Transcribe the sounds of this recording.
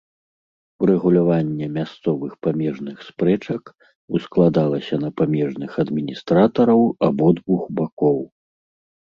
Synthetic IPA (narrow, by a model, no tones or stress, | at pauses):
uɾɛɣulʲavanʲːɛmʲast̪sɔvɨxpamʲɛʐnɨxspɾɛt͡ʂɐk | usklˠad̪alˠɐsʲɐnɐpamʲɛʐnɨxɐd̪mʲinʲist̪ɾat̪ɐɾɐwabɔd̪vuxbakɔw